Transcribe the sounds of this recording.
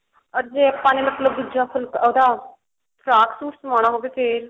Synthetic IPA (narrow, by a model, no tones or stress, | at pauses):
ɔɾd͡ʒeːəpːãːneːmət̪ləb̚d̪ʊd͡ʒaːpʰʊlkod̪aː | pʰɾaːksuːʈsəmãːɽ̃aːɦoːbeːp̪ʰeːɾ